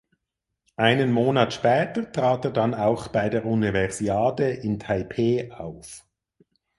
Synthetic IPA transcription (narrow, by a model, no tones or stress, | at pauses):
ʔaɪnənmoːnaːtʃpɛːtətʁ̥aːteːɐdanaʊxb̥aɪdeːunivɛʁz̥iaːdeʔɪntʰaɪpʰeːaʊf